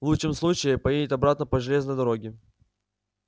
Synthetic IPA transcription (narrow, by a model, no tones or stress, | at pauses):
vlˠutːɨmslˠut͡ɕɪjɪpɐjedʲɪt̪ɐbɾat̪nəpəʐɨlʲe̞znəjd̪ɐɾoɡʲɪ